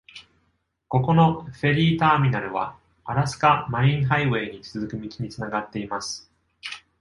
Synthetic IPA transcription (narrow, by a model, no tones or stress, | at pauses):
ko̞ko̞no̞ɸe̞ɾʲiːt̪aːmʲinaɾɯ̟β̞a̰ | aɾasɨ̥kamaĩɰ̃ɦaiβe̞ːɲ̟it͡sɨzɨkɯ̟mʲit͡siɲ̟it͡sɨnaɡat̪ːe̞imasɨ̥